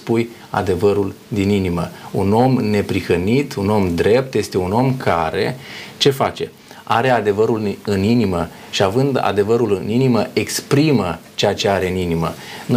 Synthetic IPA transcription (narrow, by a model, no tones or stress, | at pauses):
puj | a̰d̪e̞vəɾul | d̪ininiməuno̞mne̞pɾixənit̪uno̞md̪ɾe̞p̚t̪je̞st̪e̞uno̞mkʰaɾe̞̰t͡ʃe̞fat͡ʃe̞̰ | aɾe̞ad̪e̞vəɾulɨninimə | ʃiavɨnd̪a̰d̪e̞vəɾulɨniniməe̞kspɾimət͡ʃeat͡ʃe̞aɾe̞ɨninimən